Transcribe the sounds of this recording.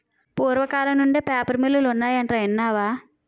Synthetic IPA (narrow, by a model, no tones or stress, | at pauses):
puːɾʋɐkaːlɐnuɳɖepaːpɐɾmilːulunːaːjɐɳʈrɐjinːaːʋaː